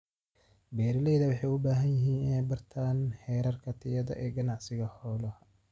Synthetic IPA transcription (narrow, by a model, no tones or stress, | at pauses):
bɛːɾɪlɛjðɐwɑħɑjʊbaːɦɐnjɪɦiːnɪnɛjbɐrt̪ʰaːnhɛːɾɐrkʰɐt̪ʰɪjɐðɐ̰ʔɛːɡɐnɑʕsɪɣɐhɔːlɐh